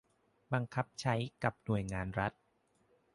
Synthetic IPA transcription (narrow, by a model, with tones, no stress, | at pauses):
ba˧ŋkʰa˦˥p̚t͡ɕʰa˦˥jka˨˩p̚nu˨˩əjŋaː˧nɾa˦˥t̪̚